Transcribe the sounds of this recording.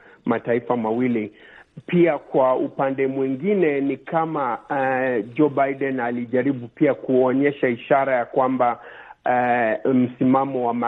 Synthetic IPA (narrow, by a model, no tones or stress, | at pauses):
mataifamawilipiakwaupandɛmwiŋɡinɛnikama | d͡ʒɔbajdɛnaliʄaɾiɓupiakuɔɲɛʃaiʃaɾajakwamba | m̩simamɔwama